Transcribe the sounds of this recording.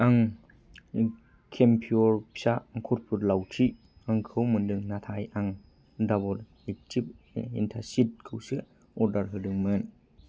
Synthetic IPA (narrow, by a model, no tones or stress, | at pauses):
aŋ | kʰempʰioɾpʰi̥saŋkʰɔt̚pʰuɾlawtʰi | aŋkʰɯwmɯndɯŋnatʰajaŋ | dabɔl | ek̚tʰip̚ | ḭntʰaɾsit̚kʰɯwsɯ | ɔɾdaɾɦɯdɯŋmɯn